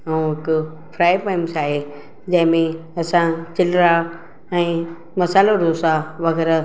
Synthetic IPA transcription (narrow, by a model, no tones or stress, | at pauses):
ɐũɦɪkʊ | fʰɾaːjpaːɪmsaːɦe | d͡ʑɐ̃ɦɪ̃mẽɐsãt͡ɕɪlɾa | ɛ̃ː | mɐsaːloɾosaʋɐɣɛːɾa